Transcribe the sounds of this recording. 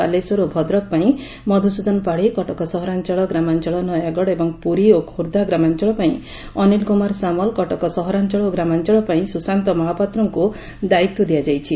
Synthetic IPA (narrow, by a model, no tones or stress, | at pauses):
a̰lesuɾobʱɔd̪ɾɔk̚paĩ | mɔd̪ʱusud̪ɔnpaɽikɔʈɔkɔsɔɦɔɾant͡ʃɔɭɔɡɾamant͡ʃɔɭɔnɔjaɡɔɽebɔŋpuɾiokʰuɾd̪ʱaɡɾamant͡ʃɔɭɔpaĩ | ɔnilkumaɾsamɔlkɔʈɔkɔsɔɦɔɾant͡ʃɔɭɔɡɾamant͡ʃɔɭɔpaĩsusant̪ɔmɔɦapat̪ɾɔŋku | d̪ait̪ːɔd̪ijad͡ʒajt͡ʃʰi